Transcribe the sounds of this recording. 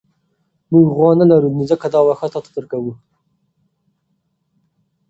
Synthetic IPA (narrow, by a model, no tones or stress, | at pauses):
muɡɣwɑnalaɾunizakad̪ɑwaxat̪ɑt̪ḁd̪əɾkawu